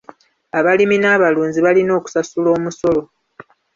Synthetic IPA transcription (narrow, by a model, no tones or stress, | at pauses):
aβaliminaːβaluːnziβalino̞ːku̥sasulo̞ːmuso̞lo̞